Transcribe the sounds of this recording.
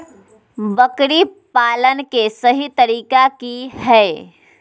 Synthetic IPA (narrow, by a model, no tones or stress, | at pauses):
bəkɾipaːlənkesəɦit̪əɾiːkakiɦɛ